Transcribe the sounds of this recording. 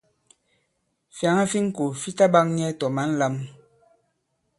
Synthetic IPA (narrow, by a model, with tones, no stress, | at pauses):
fja˨˦ŋa˦fi˦ŋ̩˦ko˨fi˦ta˦ba˦ŋɲ˦ɛ˦tɔ˨ma˨˦n̩˦la˦m